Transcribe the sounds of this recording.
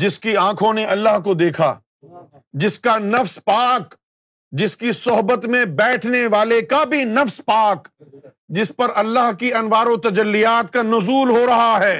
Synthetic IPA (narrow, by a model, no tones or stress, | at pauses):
d͡ʒɪskiãːkʰõneʔɐlːaɦkod̪eːkʰa̰ː | d͡ʒɪskanɐfspaːk | d͡ʒɪskisʊɦbət̪mẽbɛːʈʰneʋaːlekabʱinɐfspaːk | d͡ʒɪspɐɾɐlːaɦkiɐnʋaːɾot̪ɐd͡ʒɐlːijaːt̪̚kanʊzuːlɦoɾɐɦaɦɛː